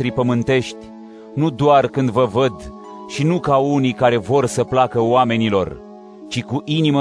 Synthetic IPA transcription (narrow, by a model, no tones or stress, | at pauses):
ɾipəmɨnt̪e̞ʃt̪ʲ | nud̪oarkɨnd̪vəvəd̪ | ʃinukaunikaɾe̞vo̞rsəplakəoame̞nilo̞̰r | t͡ʃikuʔinimə